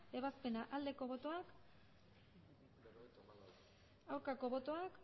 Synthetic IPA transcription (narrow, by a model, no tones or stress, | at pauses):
eβaspe̞naʔald̪e̞ko̞β̞o̞t̪o̞ak | awɾkako̞βo̞t̪o̞ak